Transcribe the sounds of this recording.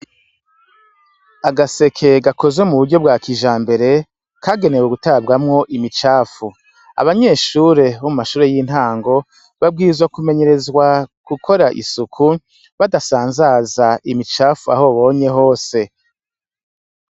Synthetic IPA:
aɡase̞kʰe̞ɡako̞ze̞muβuɾɟobɡaːkʰiʒaːmbe̞ɾe̞ | kaɡe̞neweɡutabɡamŋo̞ʔimit͡ʃaːfu | a̰βaɲe̞ʃuːɾe̞βomumaʃuːɾe̞jin̥haːŋɡo̞ | βab̚ɡiːzwakume̞ɲe̞ɾe̞zwakukʰo̞ɾaʔḭsukʰu | βadasaːnzaːzaimit͡ʃaːfua̰ho̞βo̞ːɲe̞ɦo̞ːse̞

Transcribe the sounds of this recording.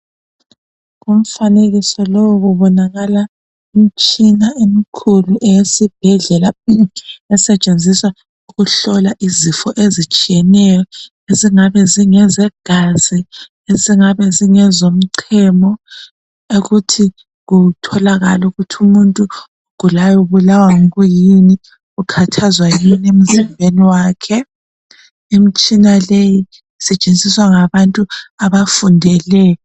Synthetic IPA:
ɣum̩faneɣisɔlowɣuβɔnaɣala | im̩t͡ʃʼinaʔemikʰuluʔɛjesib̥ʱɛɮɛla | ɛsɛt͡ʃʼend͡zʱiswa | uɣuɬɔlaʔizifɔʔezit͡ʃʼijɛnɛjɔ | eziŋaβɛziŋɛzɛɡ̥ʱazi | eziŋaβɛziŋɛzom̩ǀʰɛmɔ | oɣutʰi | ɣutʰɔlaɣaluɣutʰumuntʼu | ɣ̥ulajuβulawaŋɔɣujini | ukʰatʰazwajinem̩zimbʱeniwaːkʰɛ | imit͡ʃʼinaleji | isɛt͡ʃʼent͡sʼiswaŋaβantʼuaβafundʱɛlɛjɔ

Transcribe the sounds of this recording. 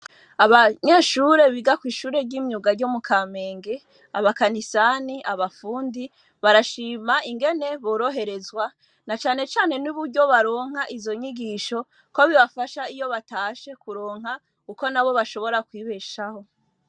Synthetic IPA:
aβaɲe̞ːʃuɾe̞βiɡakwiːʃuːɾe̞ɟiːmɲuɡaɾɟomukʰaːme̞ːŋɡe̞ | a̰βakanisaniʔaβafuːndi | βaɾaʃiːmaiŋɡe̞ne̞βo̞ɾo̞ɦe̞ɾe̞zwa | nat͡ʃaːne̞t͡ʃaːne̞nuβuɾɟo̞βaɾo̞ːŋ̥haʔizo̞ɲiɡiʃo̞ | ko̞βiβafaʃaijo̞βataːʃe̞kuɾo̞ːŋ̥ɦa | kuko̞naβo̞βaʃo̞βo̞ɾakwiːβeʃaho̞

